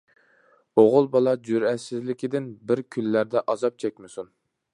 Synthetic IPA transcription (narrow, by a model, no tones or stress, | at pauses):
oʁʊlˠbɑlˠɑd͡ʒyɾɛt̪sɪzlɪkʲid̪ɪnbɪɾkʲʰylːæɾd̪ɛʔɑzɑp̚t͡ʃʰɛkʲmɪsun